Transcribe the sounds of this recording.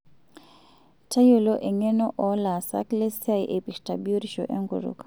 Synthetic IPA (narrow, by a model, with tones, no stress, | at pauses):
ta˦jo˨lo˦ʔe˨ŋe˦nɔ˦ʔɔ˨la˨sa̰˦kle˦sja˦jʔe˨pi˨kta˨bi˦o˦ɾi˦ʃo̰˨ʔɛ̰˦ŋɡṵ˨ɾṵ˨k